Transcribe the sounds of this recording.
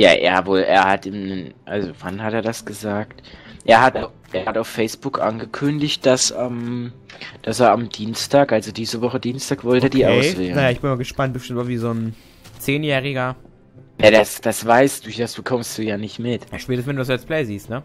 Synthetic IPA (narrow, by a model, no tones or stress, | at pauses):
ja̰ːʔḛːɐɐvoːlʔḛːɐhatiːmnənʔa̰lzovanhateːɐɾasɡ̥əzaːktʔeːɐɦat | ʔeːɐhataʊfɛɪsb̥ʊkʔa̰nɡəkʰʏndɪçt̚d̥asam | d̥aseːɐamd̥iːnstʰaːkʔalzodiːzəvɔχədiːnstʰaːkv̥ɔltːɐdiːʔaʊsv̥eːlnajaːɪçb̥ɪnmaːɡəʃpant̚b̥əʃtɪmtaviːzoːn | t͡seːnjɛːʁɪɡɐ | jadasd̥asv̥aɪsd̥uasb̥əkʰɔmst̚d̥uːjaːnɪçtmɪtʃpɛːtəsvɛnduːdasalsplɛɪziːstnə